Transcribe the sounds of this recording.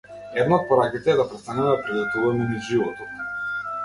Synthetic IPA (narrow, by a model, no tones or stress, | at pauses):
ɛd̪naɔt̪̚pɔɾakit̪ɛːd̪apɾɛst̪anɛd̪apɾilɛt̪uvamɛnivʒivɔt̪ɔt̪